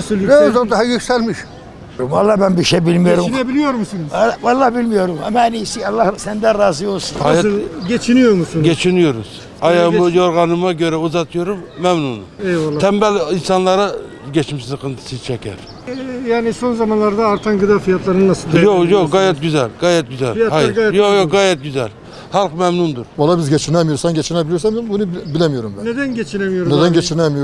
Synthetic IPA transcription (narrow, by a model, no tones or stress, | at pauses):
søzod̪aɦajyksælʲmiʃ | ɾumɑlˠːɑhbænbiʃejbilʲmijoɾumnɛbilʲijoɾmsinzvɑlˠːɑhbilʲmijo̞ɾumɛmænisiɑlˠːɑhsænd̪ɛɾaːzɯjolsunhaj̪ɟet͡ʃʰinijoɾmusunɡʲet͡ʃʰinyjoɾṵz̥ | ɑjamujoɾɡɑnɯmaɟø̞ɾɛuzɑt̪ʰɯjo̞ɾumːɛmnunuɛjlˠːʰɛmbælʲinsɑnlˠɑɾa | ɟʲɛt͡ʃmisizqʰɯnt̪ʰɯ̥sizt͡ʃʰɛkʰʲæ̰ɾ | jaːnisonzɑmanlˠaɾd̪aːɾt̪ʰanɡɯd̪aːfijat̪lˠaɾɯnnasɯld̪jojokɡɑjɛt̪̚ɡyzælʲɡɑːjɛt̪̚ɡyzælhajjojoɡɑjɛt̪̚ɡʲyzælʲ | hɑlˠqmɛmnund̪uɾvɑlˠːabizɟet͡ʃʰinɛmijoɾsanɟet͡ʃʰinɛbilʲijoɾsæminbunubilʲɛmijo̞ɾumbæned̪ænɟet͡ʃʰinɛmijoɾned̪ænɟet͡ʃʰiɾnɛmijo